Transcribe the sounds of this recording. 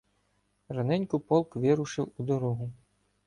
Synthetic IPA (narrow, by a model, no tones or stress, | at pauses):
ranɛnʲkʊpɔlˠkʋɪɾʊʃɪwud̪ɔɾɔɦʊ